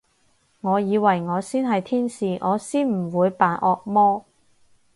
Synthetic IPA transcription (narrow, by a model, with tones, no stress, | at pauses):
ŋɔː˨˧jiː˨˧wɐ˨˩jŋɔː˨˧siː˥nɦɐ˨jt̪ʰiː˥nsiː˨ŋʔɔː˨˧siː˥nm̩˨˩wuː˨˧jpaː˨˧nʔɔː˧k̚mɔː˥